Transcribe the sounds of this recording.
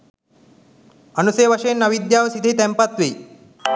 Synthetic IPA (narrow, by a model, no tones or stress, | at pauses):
ənuseʋɐʃenɐʋid̪jaʋsid̪ʱit̪ɛmpat̪ʋi